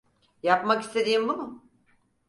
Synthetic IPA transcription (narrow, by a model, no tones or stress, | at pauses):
japmakist̪ʰe̞d̪iːmbumʊ